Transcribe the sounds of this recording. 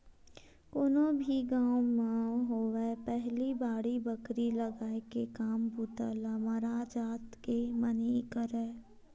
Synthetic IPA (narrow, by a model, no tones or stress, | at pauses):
ʊnõbʱiɡãːwmãːɦoːʋepɛɦlibaːɽibəkɾiləɡaːekekaːmbuːt̪aːlamaɾaːd͡ʒaːt̪kemənikəɾɛː